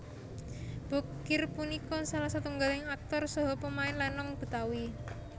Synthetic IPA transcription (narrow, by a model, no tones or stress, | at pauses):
b̥ɔ̤kɪrpunikɔsalasat̪uŋɡalɪŋak̚t̪ɔrsɔɦɔpəmaɪnlanːɔŋb̥ə̤t̪awi